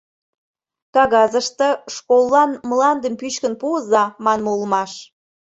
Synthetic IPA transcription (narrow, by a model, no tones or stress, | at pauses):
kɑɣɑzəʃt̪ə̆ʃkolˠːɑnmlɑnd̪əmpyɕkənpuəzɑmɑnmulˠəmɑʃ